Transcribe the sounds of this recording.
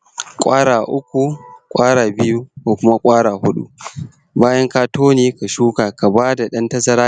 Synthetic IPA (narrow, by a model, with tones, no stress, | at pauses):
kʷʼaː˦ɽaː˨ʔʊ˦kʷu˨kʷʼaː˦ɽaː˨bɪ˦ju˦koː˨kʷʊ˦ma˦kʷʼaː˦ɽaː˨ɦʊ˦ɗṵ˦ | baː˦jɐ˦ŋkaː˦toː˦neː˨ka˨ʃuː˦kaː˨ka˨baː˦da˨ɗɐ˦ntɐ˦sɐ˦ɾaː˦